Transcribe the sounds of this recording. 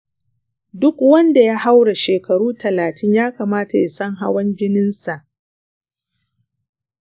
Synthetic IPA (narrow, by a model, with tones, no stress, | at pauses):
dʊ˦kwɐ˦nda˨ja˦ha˦wɽa˨ʃeː˨kɐ˨ɽuː˦tʰɐ˨laː˨tʰɪ˦ɲjaː˦kaː˨maː˦ta˨ja˨sɐ˦ŋɦa̰˦wɐ˦nd͡ʒɪ˦nɪ˦nsa˨ʔ